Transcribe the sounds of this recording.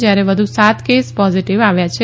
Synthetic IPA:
d͡ʒjaɾeʋəd̪ʱusat̪kespɔziʈiʋaʋjat͡ʃʰe

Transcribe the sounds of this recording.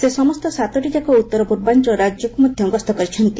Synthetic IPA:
sesɔmɔst̪ɔsat̪ɔʈid͡ʒakɔut̪ːɔɾɔpuɾbant͡ʃɔɾad͡ʒjɔkumɔd̪ʱjɔŋɡɔst̪ɔkɔɾit͡ʃʰɔnt̪i

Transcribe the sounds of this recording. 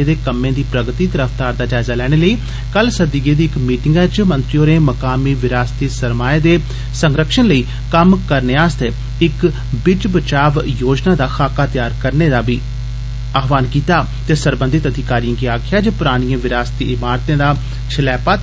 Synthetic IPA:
eːd̪eːkəmẽːd̪iːpɾəɡt̪iːt̪əɾəfʰt̪aːɾd̪aːd͡ʒaːɪzaːlɛːɽ̃eːləiː | kəlsəd̪iːɡeːd̪iːɪkmiːʈɪŋɡɛːt͡ʃmə̃nt̪ɾioːɾeːməkaːmiːʋɪɾaːst̪iːsəɾmaːed̪eː | səŋɡɾəkʃənləiː | kəmkəɾneːaːst̪eː | ɪk | bɪd͡ʒbət͡ʃaːʋjoːd͡ʒnaːd̪aːxaːkaːt̪ɪjaːɾkəɾneːd̪aːbiː | aːɦʋaːnkiːt̪aː | t̪eːsəɾbə̃nd̪ɪt̪əd̪ikaːɾijãɡiːaːkʰɪjaːd͡ʒəpʊɾaːɽ̃ɪijãːʋɪɾaːst̪iːʔɪmaːɾt̪ẽːd̪aː | t͡ʃʰɪlɛːpaː

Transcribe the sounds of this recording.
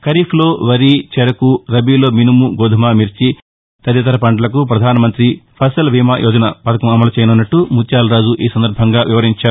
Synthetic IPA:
kɐɾiːpʰlo̞ːʋɐɾiːt͡ʃɛɾɐkuɾɐbiːlo̞ːminumuɡoːd̪ʱɐmaːmiɾt͡ʃi | t̪ɐd̪jɐt̪ɐɾɐpɐɳɖɐlɐk̬upɾɐd̪ʱaːnɐmɐnt̪ɾipʰɐsɐlʋiːmaːjʔɔːd͡ʒɐnɐpɐt̪ɐkɐmɐmɐlɐt͡ʃɛjɐnunːɐʈːumut̪jaːlɾaːd͡ʒuʔiːsɐnd̪ɐɾbʱɐŋɡaːʋiʋɐɾiɲt͡ʃaːɾu

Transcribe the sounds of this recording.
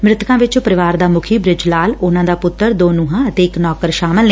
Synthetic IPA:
mɾɪt̪ʰkãːʋɪt͡ʃopəɾɪʋaːɾd̪aːmʊkʰiːbɾɪd͡ʒlaːlʊnãːd̪aːpʊt̪ːəɾd̪oːnuːɦãːət̪eːɪknɔːkəɾʃaːməlne

